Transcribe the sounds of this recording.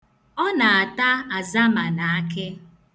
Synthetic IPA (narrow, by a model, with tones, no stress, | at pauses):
ɔ˦na˨a˨ta˦a˨za˦ma˨na˨a˦ke˦